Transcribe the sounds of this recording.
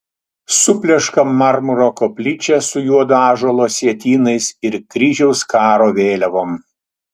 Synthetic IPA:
sʊpʲlʲɛʃkɐmːɐɾmʊɾoːkopʲlʲɪt͡ʃʲɛsʊjuɔd̪ɑːʒolˠoːsʲiɛt̪ʲiːnɐɪsɪɾkɾʲɪʒʲɛʊskɑːɾoːʋʲeːlʲɛʋoːm

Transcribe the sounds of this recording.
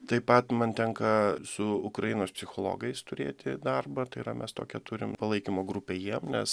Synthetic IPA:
t̪ɐɪpɐt̪mɐnt̪ʲɛŋkɐsʊʊkɾɐjɪnoːspʲsʲɪxoːlˠo̰ːɡɐɪst̪ʊɾʲḛːt̪ʲɪd̪ɐrbɐt̪ɐɪɾɐmʲʔɛst̪oːkʲɛt̪ʊɾʲɪmpɐlˠɐɪkʲɪmoːɡɾʊpʲeːjiɛmnʲɛs

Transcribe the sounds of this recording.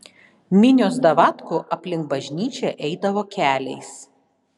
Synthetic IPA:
mʲɪnʲoːsd̪ɐʋɑt̪kʊʔɐpʲlʲɪŋk̚bɐʒʲnʲiːt͡ʃʲɛʔɛɪd̪ɐʋoːkʲæːlʲɛɪs

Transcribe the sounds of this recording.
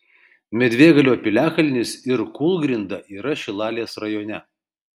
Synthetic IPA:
mʲɛd̪ʲʋʲeːɡɐlʲoːpʲɪlʲæːkɐlʲɪnʲɪsɪɾkʊlˠɡɾʲɪnd̪ɐʔiːɾɐʃʲɪlˠɑːlʲeːsɾɐjoːnʲɛ

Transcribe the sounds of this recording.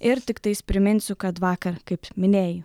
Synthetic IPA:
ɪɾt̪ʲɪkt̪ɐɪspʲɾʲɪmʲɪnʲsʲʊkɐt̪ʋɑːkɐɾkɐɪpmʲɪnʲeːjʊ

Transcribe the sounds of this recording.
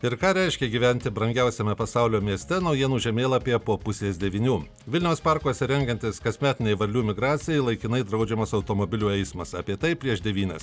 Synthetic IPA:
ɪɾkɑːɾʲɛɪʃʲkʲɛɡʲiːʋʲɛnʲt̪ʲɪbɾɐŋʲɡʲɛʊsʲɛmʲɛpɐsɑʊlʲoːmʲiɛsʲt̪ʲɛnɒʊjiɛnuːʒʲɛmʲeːlˠɐpʲepoːpʊsʲeːsd̪ʲɛʋʲiːnʲuː | ʋʲɪlʲnʲɛʊspɑɾkoːsʲɛɾʲɛŋʲɡʲɛnʲt̪ʲɪskɐsʲmʲæːt̪ʲɪnʲɛɪʋɐɾʲlʲuːmʲɪɡɾɑːt̪sʲɪjɛɪlˠɐɪkʲɪnɐɪd̪ɾɐʊd͡ʒʲɛmɐsɐʊt̪oːmoːbʲɪlʲuːɛɪsmɐsɑːpʲiɛt̪ɐɪpʲɾʲiɛʃd̪ʲɛʋʲiːnʲɛs

